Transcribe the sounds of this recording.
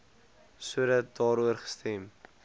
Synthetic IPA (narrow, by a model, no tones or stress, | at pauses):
suədɐt̚dɑːɾuərχə̥stɛm